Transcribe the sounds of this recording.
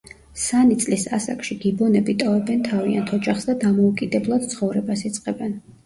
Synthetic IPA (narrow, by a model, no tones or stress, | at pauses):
sanit̪sʼlisa̰sa̰kʼʃiɡibɔnɛbit̪ʼɔvɛbɛnt̪ʰavia̰nt̪ʰɔd͡ʒaχsd̪ad̪amɔukʼid̪ɛblˠad̪̥̚t̪sʰχɔvɾɛbasit̪sʼqʼɛbɛn